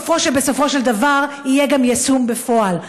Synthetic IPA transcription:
fo̞ʃebe̞so̞fo̞ʃe̞ld̪avaʁ | ijeɡamjasumbefo̞al

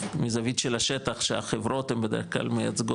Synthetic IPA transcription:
mizavit̪ʃelaʃetaχʃea̰χevʁo̞t̪hembed̪eʁeχkla̰lmejat͡sɡo

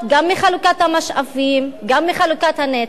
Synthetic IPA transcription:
ɡamːiχalukat̪hamaʃʔavimɡamːiχalukat̪hane

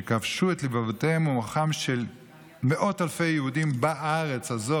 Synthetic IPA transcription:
kavʃuet̪libavoteemumaχamʃel | meʔo̞thalfe̞jjeɦudimbaʔaʁet͡shazo

